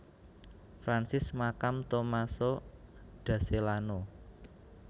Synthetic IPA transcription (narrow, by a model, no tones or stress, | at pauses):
fɾansɪsmakamt̪omasoɖ̥ä̤selano